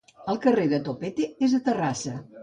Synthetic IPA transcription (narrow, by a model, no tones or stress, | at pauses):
əlˠkəreðət̪opet̪eezðət̪ərasə